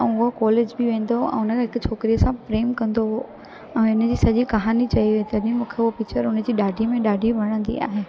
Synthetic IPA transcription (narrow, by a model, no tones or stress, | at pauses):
ʊɦokɔːleːd͡ʑbɪʋẽːn̆d̪oɛ̰̃ːʊnəkʰãɦɪkʊt͡ɕʰoːkɾijəsãfɾeːmkɐ̃nd̪o | ɛ̃ːɪnə̆d͡ʑiːsɐʄikɐɦaːnit͡ɕɐiʋɦet̪ɐɗɪ̃mũːkʰeʊɦopikt͡ɕəɾʊnə̆d͡ʑiːɗaːɖʱimẽɗaːɖʱibʱɐɽ̃ə̃nd̪ḭa̰ːɦeː